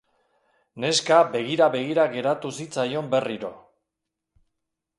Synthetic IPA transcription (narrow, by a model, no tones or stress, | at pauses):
ne̞skabe̞ɣ̞iɾaβe̞ɣiɾaɣe̞ɾat̪usit͡sajo̞mbe̞riɾo̞